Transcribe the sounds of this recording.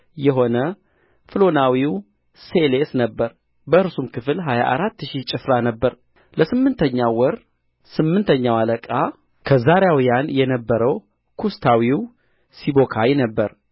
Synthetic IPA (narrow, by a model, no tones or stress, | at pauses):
jɛɦo̞nə | fɨlo̞nawiw | selesnəbːəɾ | bəʔɨɾsumkʰɨfɨlɦaja̰ʔaɾat̪ːʃit͡ʃʼɪfɾanəbːəɾ | ləsɨmːɨnt̪ʰəɲːawɔɾ | sɨmːɨnt̪ʰəɲːawaləkʼa | kʰəzaɾejawjanjɛnəbːəɾəw | kʰust̪ʰawiw | sibo̞kʰajnəbːəɾ